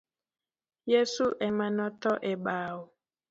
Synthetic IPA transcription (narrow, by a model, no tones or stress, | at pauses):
jesuʔɛmanɔtɔʔɛɓaːwu